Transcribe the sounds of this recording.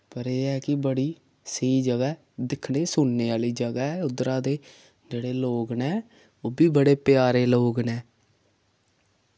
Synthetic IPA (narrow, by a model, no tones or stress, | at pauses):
pəɾeːɛːkɪbəɽiː | səiːd͡ʒəɡaː | d̪ɪkʰneːsʊɳːeːaːliːd͡ʒəɡaːɛːʊd̪ɾãːd̪eː | d͡ʒeːɽeːloːɡnɛː | oːbiːbəɽeːpɪjaːɾeːloːɡnɛː